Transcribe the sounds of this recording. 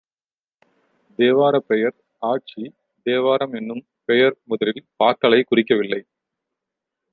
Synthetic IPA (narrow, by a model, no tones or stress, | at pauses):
d̪eːʋaːɾɐpɛjɐɾ | aːʈ̚t͡ʃi | d̪eːʋaːɾɐmɛnːɯm | pɛjɐɾmʊðɐlɪlpaːkɐɭɐɪkʊrɪk̬ːɐʋɪlːɐɪ